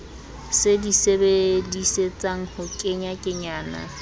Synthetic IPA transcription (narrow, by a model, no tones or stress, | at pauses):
sedisebediset͡sʼaŋ̩hʊkʼɪɲakʼɪɲaːna̰